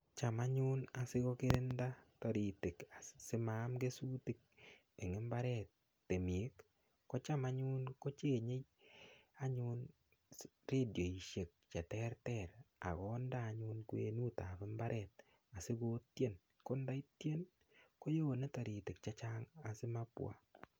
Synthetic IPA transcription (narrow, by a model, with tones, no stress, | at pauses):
t͡ʃa˨ma˦ɲʊ˦na˨sɪ˦ɣo˦kɪ˦ɾɪ˦nda˦tɔ˨ɾi˨tɪ˨ka˨sɪ˦ma˦mɡe˦suː˦ti˨k̚ | e˨ŋɪ˦mba˦ɾɛ˦tː | e˨mi˨e˦kː | ɔ˦t͡ʃa˦ma˦ɲʊ˦nko˦t͡ʃe˦˨ɲe˦j | a˦ɲʊ˦n | ɾe˦djo˨i˨ʃe˨k̚t͡ʃɛ˨tɛ˦ɾtɛɾa̰˨ɣɔ˦ndaː˦˨ɲʊ˦nkwḛ˨˦nu˦ta˨pɪ˦mba˦ɾɛt | a˨sɪ˦ɡo˦tje˦n | ko˦nda˦ɪ˦tje˦n | ko˦joː˦ne˦tɔ˨ɾɪ˨tɪ˨k̚t͡ʃa˦t͡ʃa˦ŋa˨sɪ˦ma˦pw̰a̰˨